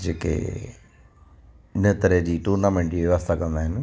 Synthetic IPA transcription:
d͡ʒeːkḛ | net̪əɾed͡ʑiːʈuːɾnamẽːɳʈd͡ʑiːʋjɐʋəst̪ʰakɐ̃nd̪aːɦɪn

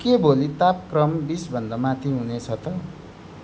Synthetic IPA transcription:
kebolit̪ap̚krʌmbisbʱʌnd̪ʌmat̪ʰiɦunet͡sʰʌt̪ʌ

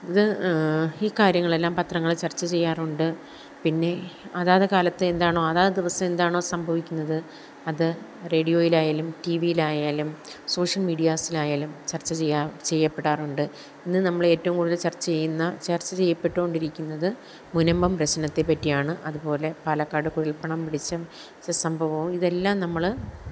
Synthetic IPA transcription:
iðɨ | iːkaːɾjɐŋːɐɭe̞lːaːmpɐt̪rɐŋːɐɭt͡ɕɐrt͡ɕːɐt͡ɕe̞jːaːruɳɖɨ | pinːe̞ɐðaːðɐkaːlɐt̪ːɨend̪aːɳo̞ːɐðaːðɐd̪iʋɐsɐme̞nd̪aːɳoːsɐmbʱɐʋikʲːunːɐðɨ | ɐðɨre̞ːɽijo̞ːjilaːjaːlumtiʋijilaːjaːlumso̞ːʂɐlmiːɖijaːsilaːjaːlumt͡ɕɐrt͡ɕːɐt͡ɕejːaːt͡ɕe̞jːɐpːeɽaːruɳɖɨ | inːɨnɐmːɐɭe̞ːtːɐʋumkuːɽuðet͡ɕɐrt͡ɕːɐt͡ɕe̞jːunːɐt͡ɕɐrt͡ɕːɐt͡ɕe̞jːɐpːe̞ʈːuko̞ɳɖiɾikʲːunːɐðɨ | munɐmbɐmpɾɐɕɐnɐt̪ːe̞pːɐtːijaːɳɨʔɐðupo̞ːle̞palɐkːaːɽɨkuɻilpɐɳɐmpiɽit͡ɕːɐ | ɐsɐmbʱɐʋɐʋumiðe̞lːaːmnɐmːɐɭ

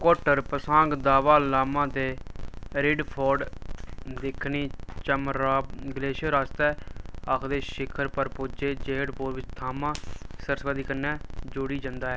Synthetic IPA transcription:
koːʈəɾpəsãːŋɡd̪aːʋaːlaːmãːt̪eːɾɪɖpʰɔːɾɖ | d̪ɪkʰniːt͡ʃəmɾaːbɡəleːʃəɾaːst̪ɛːəkʰd̪eːʃɪkʰəɾpəɾpoːd͡ʒeːd͡ʒeːɽpoːɾʋɪt͡ʃt̪ʰaːmãːsəɾsʋaːd̪iːkənːɛ̃ːd͡ʒoːɽiːd͡ʒãnd̪aːɦɛː

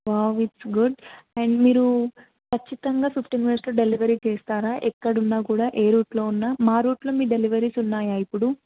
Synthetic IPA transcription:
ʋawiʈsɡuɖɛɳɖmiːɾu | kʰɐt͡ʃːit̪ɐŋɡaːsupʰʈiŋʋeːsloːɖeliʋɐɾiːt͡ʃeːst̪aːɾaːʔɛkːɐɽunːaːkuːɽaːʔe̞ːɾuːʈlo̞ːunːaːmaːɾuːʈlo̞ːmiːɖeliʋɐɾiːsunːaːjaːipːuɽu

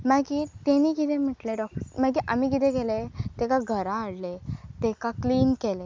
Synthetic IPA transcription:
maɡiːt̪eniːkit̪ʰem̤əʈleɖɔkmaɡiʔam̤ikit̪ẽɡelet̪ekaɡʱəɾãəɽlet̪ekakliːnkele

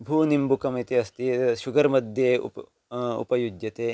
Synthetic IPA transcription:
bʱuːnimbukɐmit̪eɐst̪iʃuɡɐɾmɐd̪ʱjeːṵp | ṵpɐjud͡ʒjɐt̪eː

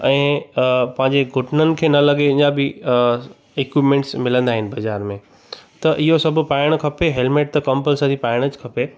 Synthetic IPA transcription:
ɛ̃ːpɐ̃ɦɪ̃ɲd͡ʑeɡʱʊʈnənɪ̆kʰeːnɐlɐɠeɪ̃ɲãbɪ | ekipmẽːɳʈsmɪlə̃nd̪aːɦɪnɪ̆bɐd͡ʑaːɾmẽ | t̪ɐʔɪɦosɐbʱʊpaːɪɽ̃kʰɐpeɦelmeːʈ̚t̪ɐkɐ̃mpəlsad̪ʰipaːɪɽ̃əd͡ʑkʰɐpe

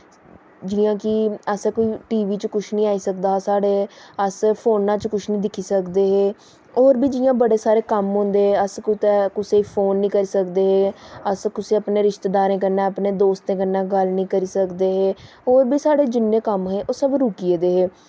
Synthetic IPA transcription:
d͡ʒiːãːkɪəsɛːkoːiːʈiːʋiːt͡ʃkʊt͡ʃʰnĩːaːiːsəkd̪aːsaːɽeːəspʰoːnãːt͡ʃkʊt͡ʃʰnĩːd̪ɪkʰiːsəkd̪eːɦeː | oːɾbiːd͡ʒiːãːbəɽeːsaːɾeːkəmɦõːnd̪eːɦeːəskʊt̪ɛːkʊseipʰoːnːĩːkəɾiːsəkd̪eːɦeːəskʊsiːəpneːɾɪʃt̪ed̪aːɾẽːkəɾnɛ̃ːəpnẽːd̪oːst̪ẽːkəɾnãːɡəlnĩːkəɾiːsəkd̪eːɦeː | oːɾbiːsaːɽeːd͡ʒɪnːẽːkəmɦeːʔoːsəbɾuːkieːd̪eːɦeː

